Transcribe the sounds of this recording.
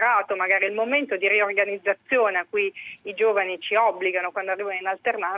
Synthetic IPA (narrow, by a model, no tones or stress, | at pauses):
ɾaːt̪omaɡaːɾiilmoment̪od̪iɾiorɡanid̪zːat̪sːjoːneakːuujid͡ʒoːvanit͡ʃiɔbːliɡanokwand̪oarːiːvanoinalt̪erna